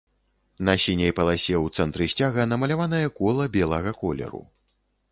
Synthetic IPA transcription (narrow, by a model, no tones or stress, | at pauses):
nɐsʲinʲɐjpɐlˠasʲɛwt̪sɛnt̪ɾɨsʲt͡sʲaɣɐnɐmɐlʲavanɐjɐkɔlˠɐbʲɛlˠɐɣɐkɔlʲɛ̰ɾṵ